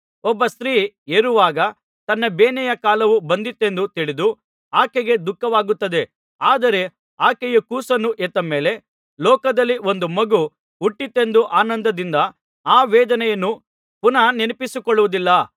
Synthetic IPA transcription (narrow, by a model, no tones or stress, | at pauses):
ɔbːɐst̪ɾiː | eɾuʋaːɡɐ | t̪ɐnːɐbeːnɛjɐkaːlɐʋubɐnd̪it̪ːe̞nd̪ut̪iɭid̪u | aːkɛɡe̞d̪ukːɐʋaːɡut̪ːɐd̪e̞ | aːd̪ɐɾe̞ | aːkɛjɐkuːsɐnuʔet̪ːɐmeːle̞ | lɔːkɐd̪ɐlːio̞nd̪umɐɡu | uʈːit̪ːe̞nd̪uʔaːnɐnd̪ɐd̪ind̪ɐ | aːʋɛːd̪ɐnɛjɐnːu | punɐnenipisukɔɭːuʋud̪ilːɐ